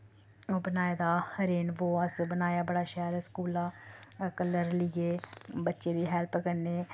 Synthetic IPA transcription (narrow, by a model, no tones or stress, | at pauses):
oːbənaːeːd̪aːhəɾeːnʋoːəsbənaːjaːbəɽaːʃɛːɾɛskuːlaːkəlːəɾlɪeːbətːʃeːd̪iːɦɛːlpkəɾneː